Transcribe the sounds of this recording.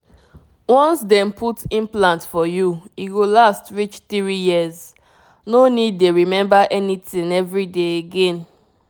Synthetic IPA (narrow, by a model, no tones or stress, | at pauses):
wɔ̃nsdɛ̃mpʰutĩmplãntfɔjuiɡolastɹit͡ʃθiɹijiəz | nonid̚ːeɹimɛ̃mbaʔɛnitĩŋɛvɹideeɡẽn